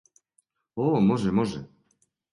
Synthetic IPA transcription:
ɔmɔʐɛmɔʐɛ̰

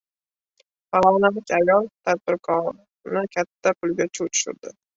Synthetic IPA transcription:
faɒnalɪkʲajɒlˠt̪ʰad̪̚bɪɾkʰɒɾ | nɪkʲʰat̪ʰːapʰʊlɡʲat͡ʃʰuwt͡ʃ̪ʰʊ̥ʃɪ̰ɾd̪̥ɪ

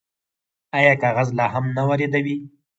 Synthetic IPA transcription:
ɑjɑkɑɣazlɑɦamnawaɾed̪awi

